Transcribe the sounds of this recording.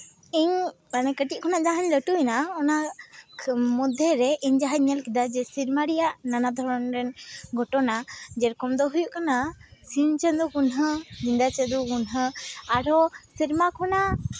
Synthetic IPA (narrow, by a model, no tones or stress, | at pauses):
iɲanakəʈiʔ̚kʰɔnaʔd͡ʒaɦaɲləʈunaɔna | mɔd̪ʱɛɾɛʔiɲd͡ʒaɦaɲɛlkɛd̪ad͡ʒɛsiɾmaɾijaʔnanad̪ʱɔɾɔnɾɛnɡʱɔʈɔnad͡ʒɛɾkɔmd̪ɔɦujuʔkanasint͡ʃəd̪ɔkunɦəd͡ʒind̪at͡ʃəd̪ukunɦəaɾɔsiɾmakʰɔna